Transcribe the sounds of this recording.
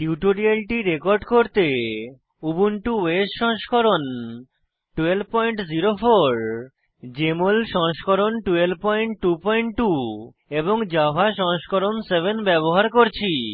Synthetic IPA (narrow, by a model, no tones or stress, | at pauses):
ʈiuʈoɾialʈiɾekoɾɖkoɾt̪e | ubunʈuwesʃɔ̃ŋʃkoɾon | ʈuelb̚pɔjɳʈziɾofoɾ | d͡ʑemolʃɔŋʃkoɾonʈuelbpɔjɳʈʈupɔjɳʈʈu | eboŋd͡ʑabʱaʃɔŋʃkoɾonsebʱenbɛboɦaɾkoɾt͡ɕʰi